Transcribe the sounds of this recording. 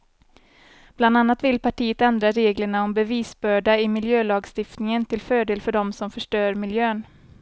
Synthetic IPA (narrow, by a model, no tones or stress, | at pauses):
b̥land̪anːat̪vɪlːpʰaʈʰiːət̪ɛnd̪ɾaɾeːɡləɳaɔmbɛviːsbœːɖaɪmɪljøːlɑːɡst̪ɪft̪nɪŋənt̪ʰɪlfœːɖeːlfœɖɔmsɔmfœʂʈøːɾmɪljøːn